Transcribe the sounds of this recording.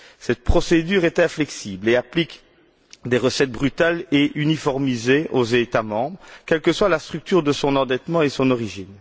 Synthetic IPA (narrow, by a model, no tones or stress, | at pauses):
sɛt̪̚pχɔsed̪yːʁɛt̪ɛ̃flɛksiːbleaplik | d̪eʁəsɛt̪̚bʁyt̪aleʔynifɔʁmizeozet̪amɑ̃bʁəkʲɛlkəswalast̪χyk̚t̪yːʁd̪əsɔ̃nɑ̃d̪ɛt̪mɑ̃esɔ̃nɔʁiʒin